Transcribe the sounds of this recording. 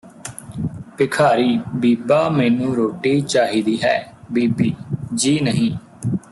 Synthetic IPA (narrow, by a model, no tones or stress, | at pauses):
pɪkʰaːɾiːbiːpaːmɛːnũːɾoːʈiːt͡ʃaːɦiːd̪iːɦɛːbiːbiːd͡ʒiːnəɦĩː